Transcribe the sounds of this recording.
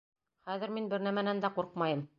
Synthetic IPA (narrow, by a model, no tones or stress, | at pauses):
χæðɘ̆ɾminbɘɾnæmænænd̪æquɾqmɑjɤm